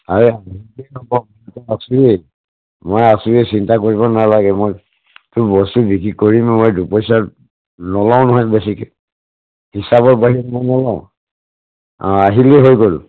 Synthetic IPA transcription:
aɹɛaɦilɛnɔbɔmɔtɛasue | mojasuesintakoɹibɔnalaɡɛmoj | tʊbɔstubikɹikːoɹimmojdupɔjsaɹ | nɔlaʊ̃nɔɦɔjbesikɛ | hisabɔɹbaɦiɛmɔjnɔlaʊ̃ | aɦileɦojɡol̰

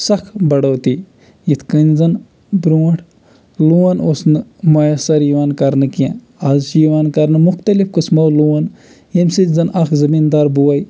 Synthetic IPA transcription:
sɐkʰbɐɽowt̪i | jit̪ʰkɨnzɐn | bɾuːʈʰ | luːɐnosnɨmɐjɐsɐɾjiʋaːnkɐɾnɨkiã | ɐzʃijʋaːnkɐɾnɨmuxt̪ɐlifkɨsmɐwluːɐn | jemʲsɨt̪ʲzɐnʔɐkʰzɐmind̪aːɾbuwɐj

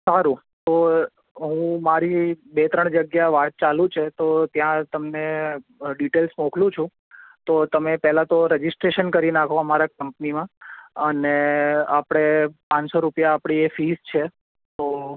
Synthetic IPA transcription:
saɾũ | t̪o | ɦũũmaɾibet̪ɾəɳ̃d͡ʒəɡjaʋat̪̚t͡ʃalũt͡ʃʰet̪ot̪jãt̪əmneɖiʈelsmõkʰlũt͡ʃʰũ | t̪ot̪əmepɛɦlat̪oɾəd͡ʒɪsʈɾeʃənkəɾinakʰoəmaɾakəmpnimãəneapɽ̃epãɲsoɾupjaːpɽ̃iefist͡ʃʰe | t̪o

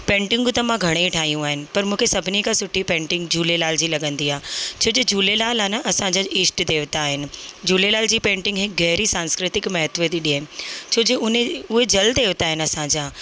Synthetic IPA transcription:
pẽːɳʈɪ̃ŋɡt̪ɐmãɡʱɐɽ̃eĩʈʰaːɦijũaːɦɪnɪ̆pɐɾmũːkʰesɐbʱɪnikʰãsʊʈʰːipẽːɳʈɪ̃ŋɡd͡ʑuːlelaːld͡ʑiːlɐɠə̃nd̪iaːt͡ɕʰoːd͡ʑeːd͡ʑuːlelaːlanɐʔɐsãɲd͡ʑaʔiːsʈd̪eːʋt̪aːɦɪnɪ̆d͡ʑuːlelaːld͡ʑiːpẽːɳʈɪ̃ŋɡɦɪkɣɛɦɾisãːnskɾɪt̪ɪkmɐɦət̪ʋət̪iɗiɦnt͡ɕʰoːd͡ʑeʊneʊɦed͡ʑɐld̪eːʋt̪aːɦɪnɐsãɲd͡ʑaː

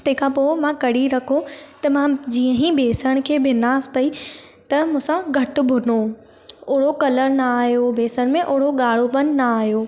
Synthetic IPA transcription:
t̪ɐ̃ɦɪ̃kʰãpoːɪmãkɐɽiɾɐkʰot̪ɐmãd͡ʑiːə̃ɦibeːsəɽ̃̆kʰeːbʱɪnaːspɐi | t̪ɐmũːsãɡʱɐʈʊ̆bʱʊno | ʊːɽokɐləɾnaaːɦjobeːsəɽ̃mẽʔʊːɽoɠaːɽ̤opɐnnaaːɦijoː

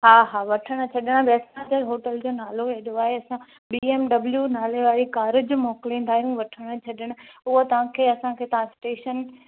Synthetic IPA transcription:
ɦaːɦaːʋɐʈʰəɽ̃ə̆t͡ɕʰɐɗɪɽ̃bɛːsãd͡ʑ̪əɦoːʈəld͡ʑoːnaːloeɗoaːɦeɐsã | biːeːmɖɐbljunaːleʋaːɾikaːɾɪd͡ʑmɔːkɪlĩːn̆d̪aːɦijũʋɐʈʰəɽ̃ə̆t͡ɕʰɐɗɪɽ̃ʊ̆ʊɦot̪ɐʋ̤ãkʰeːɐsãkʰeːt̪ɐʋ̤ãsʈeːʃən

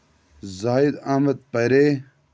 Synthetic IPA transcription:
zaːid̪aːmɐd̪̚pɐɾeː

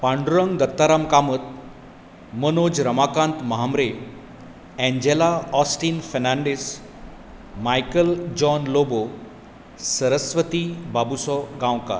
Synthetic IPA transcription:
paɳɖuɾəŋɡd̪ət̪ːaɾamkamət̪̚ | mənod͡ʑɾəmakãnt̪mɐɦamɾe | ɛ̃ɲd͡ʑelaɔsʈiːnfəɾnaɳɖes | majkəld͡ʑɔnlobo | səɾəsʋət̪ibabusɔɡãwka̰

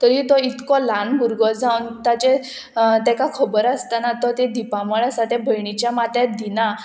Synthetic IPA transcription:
t̪əɾĩt̪ɔit̪kɔlanbʱuɾɡɔd͡zawnt̪at͡ɕe | t̪ɛkakʰəbəɾast̪anat̪ɔt̪ed̪ipaməɭasat̪ɛbʱəjɳit͡ɕjamat̪ed̪ina

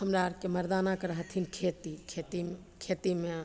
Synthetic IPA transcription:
ɦəmɾaɾkeməɾd̪anakəɾəɦət̪ʰinkʰet̪ikʰet̪i | kʰet̪ime

